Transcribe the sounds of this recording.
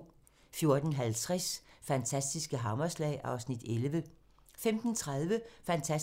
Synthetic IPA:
fjo̝ɐd̥n̩ɦælt͡sʰʁɛsfænt͡sʰæsd̥isɡ̥əɦɑ̈mɐslɛ̰ɪʔɑ̈ʊsnid̥elʋə | femd̥n̩t͡sʰʁɑð̞ˠʋəfænt͡sʰæ

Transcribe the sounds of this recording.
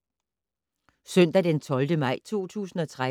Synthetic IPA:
sœn̰d̥æd̥ent͡sʰɒ̽ld̥əmɑ̈ɪ̰t͡sʰo̝̰ːt͡sʰṵːsn̩ɒ̽t͡sʰʁa

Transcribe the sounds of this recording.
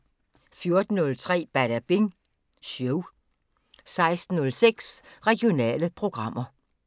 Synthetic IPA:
fjo̝ɐd̥n̩ːɔ̽lt͡sʰʁɛ̰ːb̥æɾæb̥eŋ | sjoʊ | sɑ̈ɪsd̥n̩ːɔ̽lseɡ̥sʁɛɡ̥jo̝nɛ̰ːləpʰʁo̝ɡ̥ʁɑ̈m̰ɐ

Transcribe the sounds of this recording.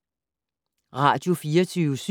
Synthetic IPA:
ʁɑ̈d̥jo̝fiːɐt͡sʰyːʊəs

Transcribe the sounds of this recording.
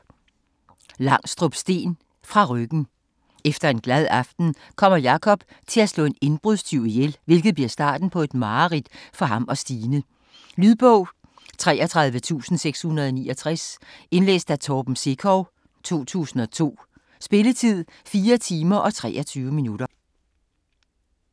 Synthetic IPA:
lɑ̈ŋ̰sd̥ʁɔb̥sd̥e̝̰ːn | fʁɑ̈ʁœɡ̥n̩ | efd̥ɐe̝nɡ̥læð̞ˠɑ̈fd̥n̩ | kʰɒ̽m̰ɐjɑ̈kʰɒ̽b̥ | t͡sʰe̝læslɔ̰ːe̝ne̝nb̥ʁuðˠsdʰyʊ̰ijelʋe̝lɡ̥ð̩ˠb̥liɐsd̥ɑ̈ːd̥n̩pʰɒ̽e̝d̥mɑ̈ːʁid̥fɒ̽ɦɑ̈mɒ̽sd̥iːnə | lyðˠb̥ɔ̽ʊ̰ | t͡sʰʁɛ̰ːʔɒt͡sʰʁɑ̈ð̞ˠʋət͡sʰṵːsn̩seɡ̥shunɐðˠɒ̽nḭːɒ̽t͡sʰʁase̝nlḛːsd̥æt͡sʰɒːb̥m̩se̝kʰɒʊ | t͡sʰo̝̰ːt͡sʰṵːsn̩ɒ̽t͡sʰo̝̰ː | sb̥e̝lət͡sʰið̞̰ˠ | fiːɐt͡sʰiːmɐʔɒ̽t͡sʰʁɛ̰ːɒt͡sʰyːʊəminud̥ɐ

